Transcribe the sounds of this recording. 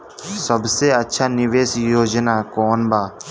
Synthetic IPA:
səbseɐtːʃʰaːnɪʋeːsjoːd͡ʒnaːkɔːnbaː

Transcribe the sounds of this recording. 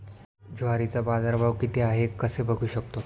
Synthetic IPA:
d͡ʑoɦaɾit͡sabad͡zaɾbʱaʋkit̪eaɦekːəsebʱəɡʱuːɕəkt̪o

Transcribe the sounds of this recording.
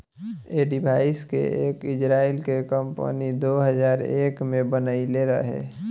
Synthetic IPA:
eɖɪbʱaːɪskḛeːkɪd͡ʒɾaːilkekəmpə̰nid̪oːɦəzaːɾeːkmẽbənəileɾəɦḛː

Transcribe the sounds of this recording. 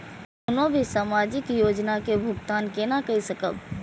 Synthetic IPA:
ʊnõbʱisaːmad͡ʒɪkjod͡ʒnakebʱʊɡt̪ankenakəisəkə̰b

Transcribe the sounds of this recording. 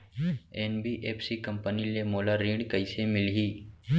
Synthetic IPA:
eːnbiʔeːpʰsikɐ̃mpənilemoːlaɾĩːɳɖkəisemɪlɦiː

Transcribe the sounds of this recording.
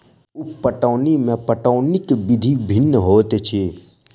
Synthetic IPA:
upəʈaːnimẽpəʈaːnikebɪd̪ʱibʱɪnːəɦoːt̪et͡ʃʰe

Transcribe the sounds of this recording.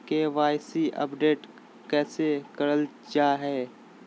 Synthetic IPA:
keʋaːjsiʔə̰pɖeːʈ | kɛːsekɐɾəl | t͡ʃaːɦɛː

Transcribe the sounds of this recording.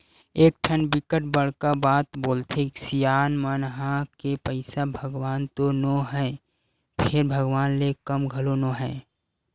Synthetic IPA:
eːk̚ʈʰənbɪkəʈ̚bəɽkabaːt̪boːlt̪ʰesɪjaːnmənɦãkepəɪsabʱəɡwaːnt̪onoɦɛː | pʰɪɾbʱəɡwaːnlekəmɡʱəlonoːɦɛː

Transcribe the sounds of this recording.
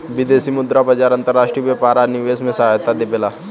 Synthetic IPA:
ʋɪd̪eːsiːmʊd̪ɾabəd͡ʒaːɾɐ̃nt̪əɾːaːʃʈɾiːʋepaːɾanɪʋeːsmẽsɐɦaːjt̪ad̪ebela

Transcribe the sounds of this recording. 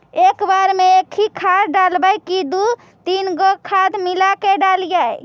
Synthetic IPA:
ekbaɾmeekʰikʰad̪ɖalbajkid̪u | t̪inɡɔkʰad̪milakeɖald͡ʒaj

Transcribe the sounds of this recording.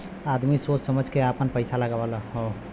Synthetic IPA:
ad̪misot͡ʃsəməd͡ʒʱkeapənpəɪsaləɡabalaɦo

